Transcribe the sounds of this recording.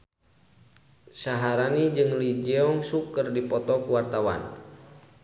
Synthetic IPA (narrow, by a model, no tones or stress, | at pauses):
saɦaɾanid͡ʒɨŋlid͡ʒɛɔŋsukərdipɔt̪ɔkuwart̪awa̰n